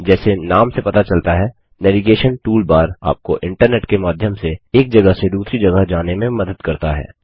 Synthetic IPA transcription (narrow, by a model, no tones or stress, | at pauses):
d͡ʒɛːsenaːmsepɐt̪at͡ʃɐlt̪aɦɛː | nɛːʋiɡeːʃənʈuːlbaːɾa̰ːp̚koʔɪ̃ɳʈəɾneːʈkemaːd̪ʱjəmseeːk̚d͡ʒɐɡəɦsed̪uːsɾid͡ʒɐɡəɦd͡ʒaːnemẽmɐd̪əd̪kɐɾt̪aɦɛ̰ː